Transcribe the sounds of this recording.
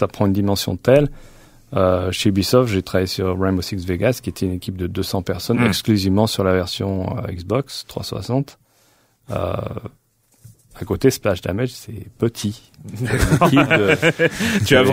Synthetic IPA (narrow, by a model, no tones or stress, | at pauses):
sapχɑ̃ynd̪imɑ̃sjɔ̰̃t̪ɛl | øʃebisɔfʒet̪χavajesyʁʁɛmosiksveɡaskʲiet̪ʰɛynekʲip̚d̪əd̪øsɑ̃pɛʁsɔnɛksklyzivmɑ̃syʁlavɛʁsjɔ̃ø̰ḭksbɔkst̪χwa̰swa̰sɑ̃t̪ | ø̰ | akot̪esplaʃd̪a̰mɛd͡ʒsɛpət̪ʰi | kid̪ə | t̪a